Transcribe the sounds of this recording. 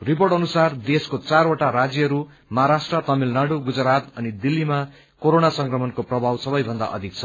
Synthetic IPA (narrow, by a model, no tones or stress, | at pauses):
riporʈʌnusard̪eskot͡saɾoʈaɾad͡zjʌʌɾu | mʌɦaɾasʈrʌt̪ʌmilnaɽuɡud͡zɾat̪ʌnid̪ilːima | koɾonasʌŋkrʌmʌnkoprʌbʱawsʌbʌjbʱʌnd̪a̰ʔʌ̰d̪ʱik̚t͡sʰʌ